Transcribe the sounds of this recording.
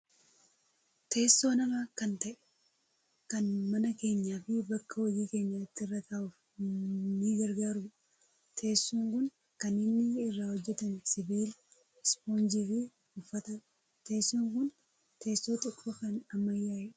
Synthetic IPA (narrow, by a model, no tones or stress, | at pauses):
t̪ʰe̞ːsːo̞ːnɐmaːkɐnt̪ɐʔɛ̥ | kɐnmɐnɐke̞ːɲːaːfɪbɐkːɐwɐjiːke̞ːɲːaːɪt̪ːɪɪrːɐt̪ʰaːʔʊf | niːɡɐɾɡaːɾʊ | t̪ʰe̞ːsːuːŋkʊn | kɐnɪnːɪɪrːaːwɔd͡ʒːɛt̪ɐnsɪbiːl | ɪspoːnd͡ʒiːfɪ | ʊfːɐt̪ɐ | t̪e̞ːsːuːŋkʊn | t̪ʰe̞ːsːoːt̪ʼʊkʼbɐkɐnɐmːɐjːaːjɛᶑ